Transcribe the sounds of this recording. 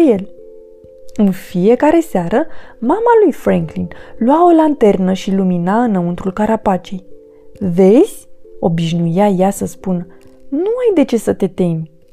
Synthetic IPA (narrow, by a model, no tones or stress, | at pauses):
je̞l | ɨnfije̞kaɾe̞seaɾəmamalujfɾeŋklinluao̞lant̪e̞rnəʃiluminaɨnəunt̪ɾulkaɾapat͡ʃej | ve̞z̥ʲo̞biʃnujajasəspun | nuajd̪e̞t͡ʃe̞sət̪e̞t̪e̞mʲ